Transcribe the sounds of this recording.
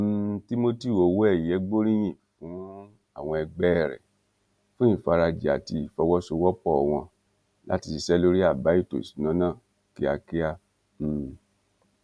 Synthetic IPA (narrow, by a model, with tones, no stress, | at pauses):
m̩ti˦mo˦ti˦u˨o˨˦wo˦ɛ˦˨ɛ˨˦ɡ͡bo˦ɾĩ˦j̃ĩ˨fũ˨˦ | a˦˨w̃ɔ̃˧ɛ˧ɡ͡bɛ˦˨ɾɛ̰˨ | fũ˦ĩ˦˨fa˧ɾa˧d͡ʒi˨a̰˨ti˧i˨fɔ˧wɔ˦so˧wɔ˦k͡pɔ˦˨w̃ɔ̃˧ | la̰˦ti˧i˧˨ʃɛ˦lo˦ɾi˦a˦˨ba˨˦i˦˨to̰˨si̥˨˦nã˨˦nãː˦˨ | ki˦a˧ki˦a˦ | m̩˦˨